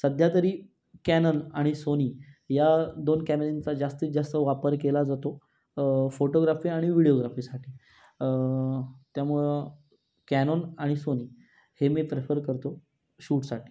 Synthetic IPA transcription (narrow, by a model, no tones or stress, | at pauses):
səd̪ʱjat̪əɾiː | kænonaɽ̃isoniːjad̪onkæmeɾint͡sad͡zast̪iːd͡zast̪əʋapəɾkelad͡zat̪o | foʈoɡɾafiːaɽ̃iʋiɽijoɡɾafiːsaʈʰiː | t̪jamuɭə | kænonaɽ̃isoniː | hemiːpɾefəɾkəɾt̪o | ɕuːʈsaʈi̥ː